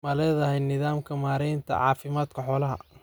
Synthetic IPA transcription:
mɐlɛːðɐɦɛjnɪðaːmkʰɐmaːɾɛjnt̪ʰɐ̰ʕɑ̰ːfɪmaːd̪kʰɐħɔːlɐɦɐ̰

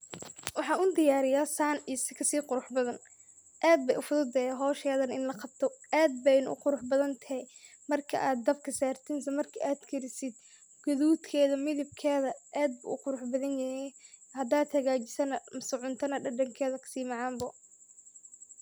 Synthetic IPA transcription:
wɑħɑːʊd̪ɪjaːɾɪjaːsaːnisɪkʰɐsiːqʊɾʊħbɐðɐn | ʔaːd̪̚bɛjʔʊfʊðʊd̪ɛɦɔːʃɛːðɐnɪnlɐqɑb̚t̪ʰɔaːd̪̚bɛjnʊʊqʊɾʊħbɐðɐnt̪ʰɐhɛj | mɐrkʰɐ̰ʔaːd̪̚ːɐbkʰɐsaːrt̪ʰɪns̬ɐmɐrkʰɐʔaːd̪kʰɐɾɪsɪd̪̚ | ɡ̥ɔðuːt̪kʰɛːðɐmɪðɪb̚kʰɛːðɐʔaːd̪̚bʊ̰ʔʊqʊɾʊħbɐðɐnjɐhɛj | hɐd̪aːd̪hɐɣaːt͡ʃɪsɐnɐmsʊʕʊnt̪ʰɐnɐɖɐɖɐŋkʰɛːðɐkʰɐ̥siːmɑʕɑːmbɐ

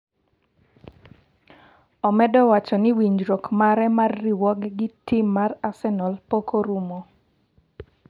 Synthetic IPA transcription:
ɔmɛdɔwat͡ʃɔnɪwiɲd͡ʒɾɔkmaɾɛmarːiwɔɡɡɪtɪmːarasɛnɔlpokoɾumo

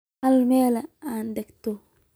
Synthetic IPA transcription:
almelaandekt̪o

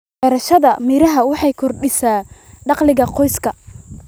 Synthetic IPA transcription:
ɛːɾɐʃɐðɐmiːɾɐɦɐwɑħɑjkʰɔrɖɪsaːɖɑqlɪɣɐqɔjskʰɐ

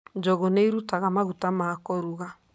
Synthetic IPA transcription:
d͡ʒɔɣoneiɾutaɣamaɣutamakɔɾuɣa

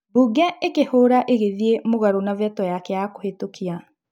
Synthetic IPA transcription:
buːɡɛekehoːɾaʔeɣeðiemoɣaɾonavɛtɔjakɛjakohetokʰia

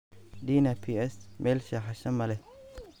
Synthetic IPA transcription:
diːnɐpʰiɛsmʔɛːlʃɐħaʃɐmɐlɛ

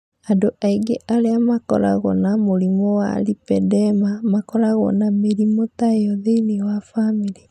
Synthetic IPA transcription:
adoʔaiɡeʔaɾeamakɔ̰ɾaɣɔ̰namoɾimɔwa̰lipɛdɛmamakɔɾaɣɔ̰nameɾimotaeɔðeiniwafamiɾi

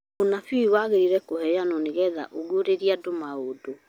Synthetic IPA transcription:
onafiiwaɣeɾiɾɛkoɦɛjanɔneɣɛða̰ʔoɣoɾeɾiadomaodo

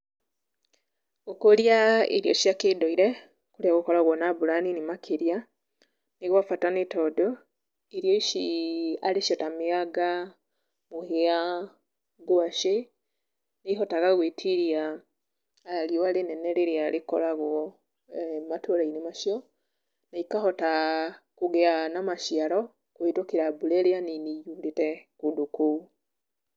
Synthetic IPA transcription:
okoɾjaḛɾiɔ̰ʃjakedɔiɾɛ | koɾeaɣokɔɾaɣwɔnabuɾaninimakʰeɾja | neɣwafatanetɔdɔ | eɾijɔiʃiaɾeʃjɔtameaɡa | mohea | ɡoaʃe | naiɦɔtaɣaɣwetʰiɾiaː | ɾiɔaɾenɛnɛɾeɾeaɾekɔ̰ɾaɣwɔ | matoɾainemaʃiɔ | naikahɔtakoɣɛanamaʃiaɾɔ | kwetwokeɾabuɾɛɾeanineijuːndetɛkodokou

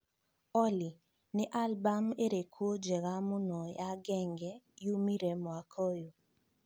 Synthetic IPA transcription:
ɔli | nɪʔalbameɾekʰwod͡ʒeɣamʊnɔjaɡɛŋɡɛjumiɾemɔakʰojo

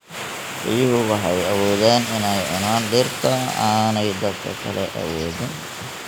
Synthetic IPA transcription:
ʔɪjʊɦʊwɑħɑjɐwɔːðɛːnɪnɛjʔʊ̰naːnɖɪrt̪ʰɔa̰ːnɛjd̪ɐd̪kʰɐ̰kʰɐ̰lɛ̰ʔɐ̰wɔːðɪn

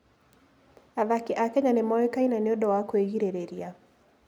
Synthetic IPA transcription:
aðakɪʔakɛɲanɪmɔɾɛkainanɪɔdɔwakwɛɣiɾɛɾɛɾia

